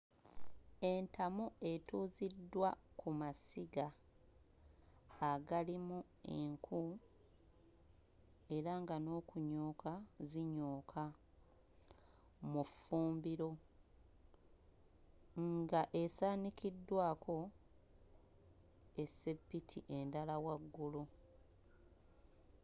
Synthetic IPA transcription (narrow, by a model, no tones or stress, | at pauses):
e̞ntamue̞tuːzidːwakumasiɡa | ɡalimu | eŋkʰu | e̞ɾaŋɡano̞ːkuɲo̞ːkaziɲoːkʰa | mufuːmbiɾo̞ | ŋɡaʔesaːnikidːwaːkʰo̞ | e̞se̞pːitʰiʔe̞ndalawaɡːulu